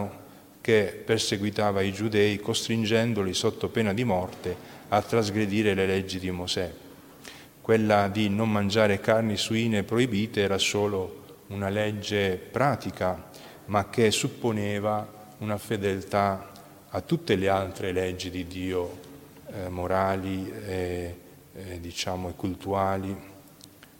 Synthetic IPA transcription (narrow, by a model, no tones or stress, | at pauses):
o | k̟epːerseɡwit̪aːvaid͡ʒud̪ɛːikost̪ɾind͡ʒɛnd̪olisot̪ːopɛːnad̪imɔrt̪eat̪ːɾazɡɾed̪iːɾelelɛd͡ʒːid̪imosɛ | kːwelːad̪inomːand͡ʒaːɾekarnisuiːnepɾoibiːt̪eɛːɾasoːlo | unalɛd͡ʒːepɾaːt̪ika | mak̟ːesupːonɛːva | unafed̪elt̪aː | t̪ːut̪ːelealt̪ɾelɛd͡ʒːid̪id̪ːiːo | moɾaːlie | d̪it͡ʃaːmoekːult̪uaːli